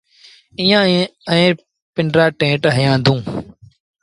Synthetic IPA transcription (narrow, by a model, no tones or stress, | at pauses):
ɪ̃jãːəẽː | pɪɳɖɾaːʈẽːʈɦəjãːd̪ũː